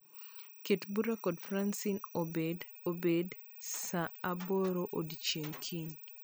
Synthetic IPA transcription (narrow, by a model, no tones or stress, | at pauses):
ketbuɾakɔdfɾansinobed | obed | saaboɾoʔodit͡ʃeŋkʰin